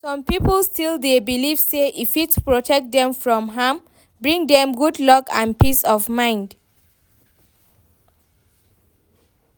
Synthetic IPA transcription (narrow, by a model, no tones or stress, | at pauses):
sɔ̃mpipəlstilˠdebiliv̥seʔifitpɹɔtʰɛk̚d̪ɛ̃mfɹɔ̃mɦam | bɹĩŋdɛ̃mɡudlɔkã̰npisɔvmãɪ̃nd